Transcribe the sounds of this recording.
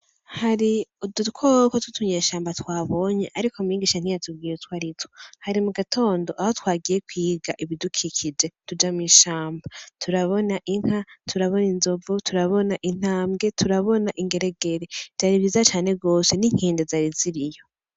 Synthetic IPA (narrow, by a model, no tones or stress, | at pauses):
haɾiudutkʰokotutʰuɲeːʃaːmbatwaːβo̞ɲe̞ʔaɾikomiːɡiːʃan̥ijatub̚ɡiːjetwaɾitohaɾimuɡatʰo̞ːndo̞ʔahotwaːɡije̞kwiːɡaʔiβidukʰikʰid͡ʒe̞tud͡ʒamiːʃaːmbatʰuɾaβo̞naʔiŋ̥hatʰuɾaβo̞ninzo̞vutʰuɾaβo̞naʔin̥aːmɡe̞tʰuɾaβo̞naʔiŋɡe̞ɾeɡe̞ɾed͡ʒaɾiβizat͡ʃaːn̥e̞ɡo̞ːse̞niŋ̥iːndezaɾiziɾijo̞